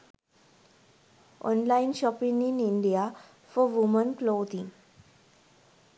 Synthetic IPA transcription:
ɔ̰̃nlainɕɔpĩniniɳɖija | fɔʋumənklowt̪ĩŋ

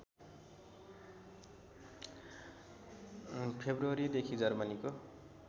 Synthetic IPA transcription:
pʰebruʌɾid̪ekʰid͡zʌrmʌniko

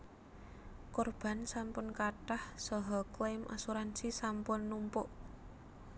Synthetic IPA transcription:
kɔrb̥a̤nsampʊnkaʈahsɔɦɔklajmʔa̰suɾansisampʊnːumpʊʔ

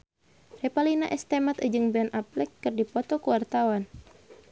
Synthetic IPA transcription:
rɛpalinaʔɛst̪ɛmat̪əd͡ʒɨŋbɛnʔaplɛkːɨrdipɔt̪ɔkuwart̪awan

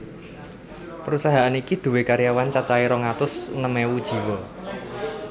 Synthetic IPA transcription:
pəɾusaɦaʔanikid̪̥ṳwekaɾijawant͡ʃat͡ʃaiɾɔŋat̪ʊsnəmɛwud̥ʒ̥i̤wɔ

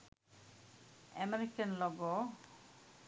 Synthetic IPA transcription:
ɛ̰meɾikanlɔɡo

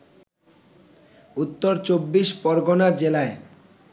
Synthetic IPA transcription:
ut̪ːoɾt͡ɕobːiʃpɔɾɡonad͡ʑelae

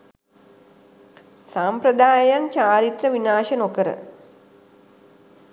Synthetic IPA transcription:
sampɾəd̪aːjant͡ʃaːɾit̪rəʋinaːʃənokəɾə̰

